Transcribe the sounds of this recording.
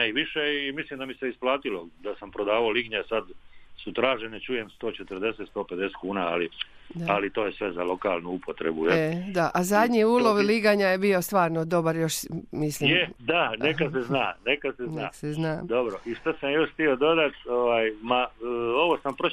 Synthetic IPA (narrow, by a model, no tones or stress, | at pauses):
neiʋiʃeːmislimd̪amiseisplˠaːt̪ilod̪asampɾod̪aːʋaoliɡɲesad̪sut̪ɾaːʒenet͡ʃuje̞mst̪o̞ːt͡ʃet̪əɾd̪e̞set̪st̪o̞ːped̪eset̪̚kuːnaaliaalit̪o̞ːjesʋe̞zalo̞kaːlˠnuupʰo̞t̪ɾḛbujed̪aʔazad̪ɲiuːlo̞ʋliɡaɲajebio̞st̪ʋaːɾnod̪o̞baɾjo̞ʃmislijmed̪anekaseznaːnekaseznaːseznad̪obɾo̞ʔiʃt̪asamjjo̞ʃxt̪io̞d̪o̞d̪at̪oʋaːjmao̞ʋosampɾo